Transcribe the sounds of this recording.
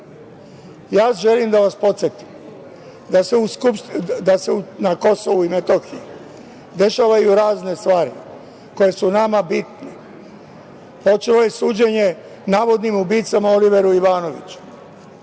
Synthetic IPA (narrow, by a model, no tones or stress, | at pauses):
jaːʒe̞limd̪aʋaspo̞t̪sjet̪i̥m | d̪aseuskupsd̪aseunako̞so̞ʋuimet̪o̞xiji | d̪e̞ʃaʋajuɾaːzne̞st̪ʋaːɾḭ | ko̞je̞sunamabit̪ne | po̞t͡ʃelo̞je̞suːd͡ʑe̞ɲe̞ | naːʋo̞d̪nimubiːt̪samao̞liʋe̞ɾuiʋaːno̞ʋit͡ɕu̥